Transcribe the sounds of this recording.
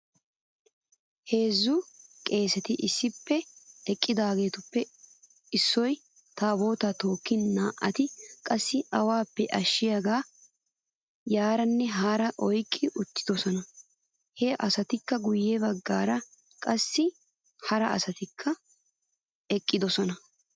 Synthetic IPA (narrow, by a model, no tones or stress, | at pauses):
he̞ːzːʊkʼe̞ːsɛt̪ɪʔɪsːɪpːɛɛkʼːɪd̪aːɡe̞ːt̪ʊpːɛ | ɪsːɔj | t̪aːbo̞ːt̪at̪o̞ːkːɪnnaːʔɐt̪ɪkʼɐsːɪɐwaːpːɛʔɐʃːɪjaːɡaː | jaːɾɐnːɛɦaːɾɐʔɔjkʼːɪʔʊt̪ːɪ̥d̪ɔsɔnɐ | hɛʔɐsɐt̪ɪkːɐɡʊjːebɐɡːaːɾɐ | kʼɐsːɪ | hɐɾɐɐsɐt̪ɪkʰːɐ | ɛkʼːɪd̪ɔsɔnɐ